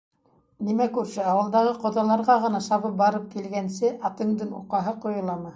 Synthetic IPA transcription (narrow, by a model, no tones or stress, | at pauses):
nimækʉɾsɘɑwɤ̆lˠd̪ɑʁɤqŏðɑlˠɑɾʁɑʁɤ̆nɑʃɑβɤp̚bɑɾɤp̚kilɡænsɘʔɑt̪ɤ̆ɴd̪ɤnṵqɑɦɤqŏjŏlˠɑmɤ